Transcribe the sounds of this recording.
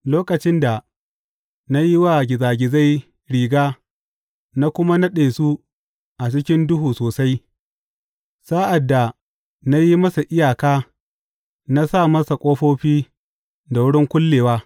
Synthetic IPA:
loː˦kɐ˨t͡ʃɪ˦nda˨ | na˦ji˦wa˦ɡʲɪ˨zaː˨ɡʲɪ˨za˦j | ɽiː˨ɡaː˦ | na˦kʷʊ˦ma˦nɐ˦ɗeː˨su˦ | ʔa˨t͡ʃɪ˦kʲɪ˦ndʊ˦ɦuː˨soː˨sa˦j | sa˦ʔa˨dːa˨ | na˦ji˦mɐ˦sa˨ʔɪ˦jaː˨kaː˦ | na˦sa˦˨mɐ˦sa˨kʷʼoː˦ɸoː˦ɸiː˦ | da˨wʊ˦ɽɪ˦ŋkʷʊ˦lːeː˨waː˦

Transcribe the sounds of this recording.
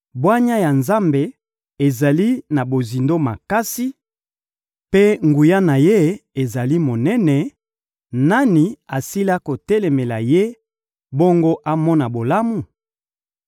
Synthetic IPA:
bwa˦ɲa˦ja˨nza˦mbe˨ | e˨za˨li˦na˨bo˨zi˨ndo˦ma̰˨ka˦si˦ | pe˦ŋɡu˨ja˦na˨je˦e˨za˨li˦mo˨nɛ˦nɛ˨ | na˦ni˨a˨si˦la˦ko˨tɛ˦le˨me˨la˨je˦ | bo˦ŋɡo˦ʔa˦mɔ˦na˨bo˨la˦mu˨

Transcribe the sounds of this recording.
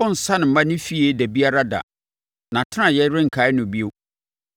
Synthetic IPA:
ʊ̃˦n̩˨sa˦nɪ̃˨mã˦nɪ̃˦fi˦e˦dæ˨bi˦a˦ɾa˦da̰˨ | nã˨tʰɪ˦nã˨jɛ˦ɾɪ̃˦ŋ̩˨kʰaː˨˦ɪ˦nʊ̃˨bi˦o˦

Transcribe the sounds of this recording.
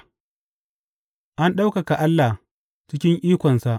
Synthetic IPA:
ʔa˦nɗa˦wka˨ka˨ʔa˦lːa˨ | t͡ʃɪ˦kʲɪ˦ŋʔiː˦kʷɔ˨nsa˦˨ʔ

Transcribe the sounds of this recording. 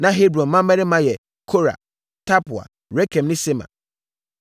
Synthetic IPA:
nã˦ɦe˦bɾɔ̃˨nmã˦mɛ̃˦nɪ̃˦mã˦jɛ˨ | kʰo˦ɾa̰˨ | tʰa˦pʊ˨a̰˨ | ɾɛ˦kʰɛ̃˨mnɪ̃˦se˦mã̰˨

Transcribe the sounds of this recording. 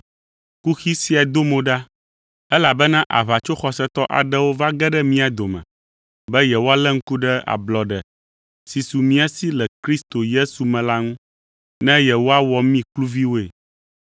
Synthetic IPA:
ku˦xi˦si˦a˨d̪o˦mõ˨ɖa˦ | ɛ˦la˨bɛ˦nã˦ʔa̰˨βa˨t͡ʃo˦xɔ˨sɛ˦t̪ɔ˦ʔa̰˨ɖɛ˦wo˦va˦ɡɛ˦ɖɛ˦mĩ˦a˨d̪o˨mɛ̰̃˨ | bɛ˦jɛ˨wo˦a˦lɛ˦ŋ̩˦ku˦ɖɛ˦a̰˨blɔ˨ɖɛ˨ | si˨su˨mĩ˦a˦si˦lɛ˨kɾi˦st̪o˨je˦su˨mɛ̃˨la˦ŋũ˦ | nɛ̃˦jɛ˨wo˦a˦wɔ˨mĩ˦klu˦vi˦wo˦e˨

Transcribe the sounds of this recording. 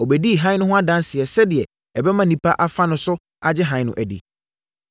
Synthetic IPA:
ɔ˨bɛ˨di˦˨ɦã˦ɪ̃˦nʊ̃˦ɦʊ̃˦a˦dã˦n˦sɪ˨ɛ˨sɛ˦dɪ˨ɛ˨ | ɛ˨bɛ˦mã˨nĩ˨pʰa˦ʔa˨fa˦nʊ̃˨˦sʊ˦ | a˨d͡ʑɪ˦ɦã˨ɲɪ̃˦nʊ̰̃˨ʔæ˨dḭ˨

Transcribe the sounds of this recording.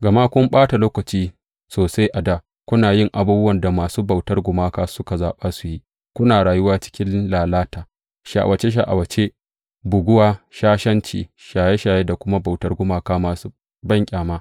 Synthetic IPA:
ɡɐ˨ma˦kʷʊ˦mɓaː˦ta˨loː˦kɐ˨t͡ʃiː˦ | soː˨sa˦jʔa˨da˦˨ | kʷʊ˦naː˨jɪ˦ŋʔa˨buː˦bʊ˦wɐ˨nda˨maː˨suː˦ba˨wtɐ˦rɡʷʊ˨maː˦kaː˦sʊ˦ka˨zaː˨ɓaː˦su˨ji˦ | kʷʊ˦naː˨ɽaː˨jʊ˦waː˦t͡ʃɪ̥˦kʲɪ˦nlaː˨laː˦taː˨ | ʃa̰˨ʔa̰˨wʔɐ˨t͡ʃe˦ʃ̬a˨ʔa̰˨wɐ˨t͡ʃe˦ | bʊ˨ɡʷʊ˦waː˨ʃaː˦ʃɐ˦nt͡ʃḭː˨ʃaː˨je˦ʃaː˨je˦da˨kʷʊ˦ma˦ba˨wtɐ˦rɡʷʊ˦maː˨kaː˦maː˨su˦ | bɐ˦˨ŋkʲʼaː˨maː˦

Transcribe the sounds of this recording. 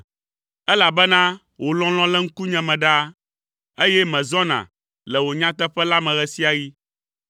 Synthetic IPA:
ɛ˦la˨bɛ˦nã˦ | wʔo˨lɔ̃˦l̃ɔ̃˦lɛ˦ŋ̩˦ku˦ɲɛ̃˨mɛ̃˨ɖa˦ | e˦jɛ˦mɛ̃˨zɔ̃˦nã̰˨ | lɛ˨wo˨ɲã˦t̪ɛ˦ɸɛ˦la˦mɛ̃˨ɣɛ˦si˦a˨ji˦

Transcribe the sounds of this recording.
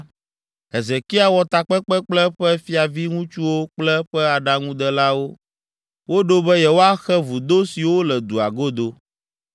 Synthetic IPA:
ɦe˨ze˨ki˦a˨wɔ˨t̪a˨k͡pɛ˦k͡pɛ˦k͡plɛ˦ɸɛ˦fi˦a˨vi˦ŋũ˦t͡ʃu˦wo˦k͡plɛ˦ɸɛ˦a˨ɖa˦ŋũ˦d̪ɛ˦la˦wo˦ | wo˦ɖo˦bɛ˦jɛ˨wo˦a˦xɛ˦vu˨d̪o˦si˨wo˦lɛ˨d̪u˨a̰˨ɡo˦d̪o˦

